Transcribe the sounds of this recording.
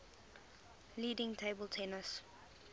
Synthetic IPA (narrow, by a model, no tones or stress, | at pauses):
liːdɪ̃ŋtʰeːbəltʰɛnəs